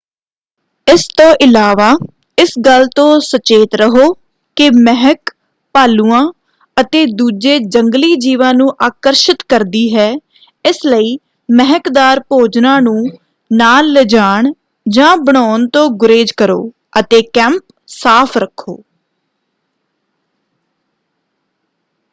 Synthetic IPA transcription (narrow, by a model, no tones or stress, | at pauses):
ɪst̪õːʔɪlaːʋaː | ɪsɡəlt̪õːsət͡ʃeːt̪ɾəɦoː | kɪmɛɦək | paːluːãː | ət̪eːd̪uːd͡ʒeːd͡ʒəŋɡliːd͡ʒiːʋãːnũːʔaːkəɾʃɪt̪kəɾd̪iːɦɛː | ɪsləiː | mɛɦəkd̪aːɾpoːd͡ʒnãːnũː | naːlːəd͡ʒaːɳ | d͡ʒãːbəɳ̃ɔːnt̪õːɡʊɾeːd͡ʒkəɾo̰ː | ət̪eːkɛ̃ːmp | saːpʰɾəkʰːo̰ː